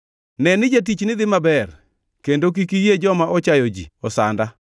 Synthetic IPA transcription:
nɛnɪd͡ʒat̬it͡ʃnɪd̪ɪmabɛr | kendok̬ikijed͡ʒɔmaʔɔt͡ʃajod͡ʒḭɔsa̰nda

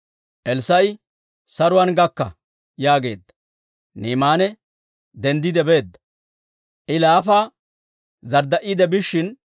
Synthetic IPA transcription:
ʔɛlsɐj | sɐɾʊwanɡɐkːɐ̰ | jaːɡe̞̰ːd̪ːɐ̥ | niːmaːnɛ | d̪ɛnd̪ɪd̪ɛbe̞ːd̪ːɐ̥ | ʔɪlaːfaː | zɐɾd̪ɐʔɪd̪ɛbɪʃːɪn

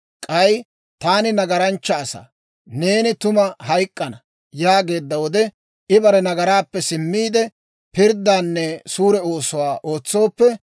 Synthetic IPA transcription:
kʼɐj | t̪aːnɪnɐɡɐɾɐnt͡ʃːɐːsɐ̰ | ne̞ːnɪt̪ʊmɐhɐjkʼːɐnɐ | jaːɡe̞ːd̪ːɐwɔd̪ɛ | ʔɪbɐɾɛnɐɡɐɾaːpːɛsɪmːiːd̪ɛ | pɪɾd̪ːaːnːɛsuːɾɛo̞ːsʊwaːʔo̞ːt͡sːo̞ːpːɛ

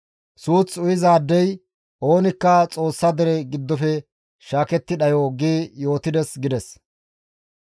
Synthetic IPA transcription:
suːt͡sʊjɪzaːd̪ːɛj | ʔo̞ːnɪkːɐt͡sʼo̞ːsːɐd̪ɛɾɛɡɪd̪ːɔfɛ | ʃaːkɛt̪ːɪᶑɐjoːɡiːjo̞ːt̪ɪd̪ɛsɡɪd̪ɛs

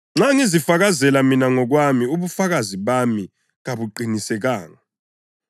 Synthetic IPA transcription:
ŋ͡ǁaŋizifak̬azɛlaminaŋɔk̬wamiuɓufak̬aziɓami | ŋaɓuǃʱinisɛk̬aːŋa

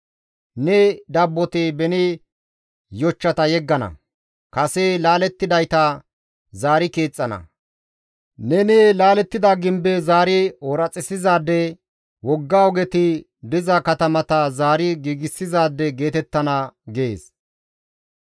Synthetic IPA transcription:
nɛd̪ɐbːɔt̪ɪbɛnɪ | jɔt͡ʃːɐt̪ɐjɛɡːɐnɐ̰ | kɐselaːlɛt̪ːɪd̪ɐjt̪ɐ | zaːɾɪke̞ːt͡sʼːɐnɐ̰ | nɛnɛlaːlɛt̪ːɪd̪aɡɪmbɛzaːɾɪɔɾɐt͡sʼːɪsɪzaːd̪ːɛ | wɔɡːaːɔɡɛt̪ɪ | d̪ɪzakɐt̪ɐmɐt̪ɐzaːɾɪɡiːɡɪsːɪzaːd̪ːɛɡe̞ːt̪ɛt̪ːɐnɐɡḛːs

